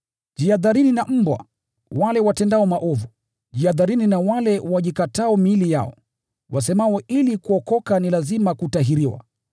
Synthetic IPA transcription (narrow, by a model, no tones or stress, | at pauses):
ʄd͡ʒiaðaɾininam̩bwa̰ | walɛwatɛndaɔmaʔɔvu | ʄiaðaɾininawalɛwaʄikataɔmilija̰ɔ̰ | was̬ɛmawɔʔilikuɔkɔkanilazimakutaɦiɾiwa̰